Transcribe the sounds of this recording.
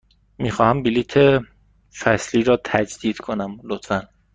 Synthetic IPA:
miːxɒːhæmbiliːt̪ʰe | fæsliːɾɒːt̪ʰæd͡ʒd̪̥iːd̪̥kʰo̞næmlot̪fæn

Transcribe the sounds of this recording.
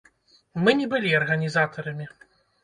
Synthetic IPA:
mɨnʲɛbɨlʲiɐrɣɐnʲizat̪ɐɾɐmʲi

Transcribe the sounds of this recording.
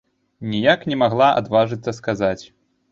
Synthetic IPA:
nʲijaknʲɛmaɣlˠaʔa̰d̪vaʐɨt̪sːɐskazat͡sʲ

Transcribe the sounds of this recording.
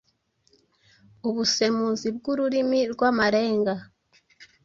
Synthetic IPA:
uβuse̞muːnzib̚ɡuɾuɾimiɾɡwamaɾeːŋɡa

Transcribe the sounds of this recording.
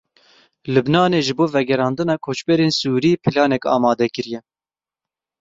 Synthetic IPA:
lubnɑːneːʒɨboːvɛɡɛɾɑːnd̪ɨnɑːkʰoːt͡ʃbɛɾeːnsuːɾiːpʰɨlɑːnɛkɑ̰ːmɑːd̪ɛkɨɾjɛ

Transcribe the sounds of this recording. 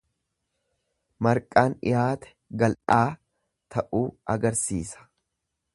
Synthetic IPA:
mɐɾkʼaːnɪ̰jaːt̪ɛ̥ɡɐlʔaː | t̪ʰɐʔuːɐɡɐɾsiːsɐ̥

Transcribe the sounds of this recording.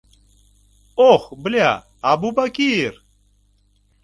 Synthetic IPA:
oxbɨlja | ɐbubɐkiɾ

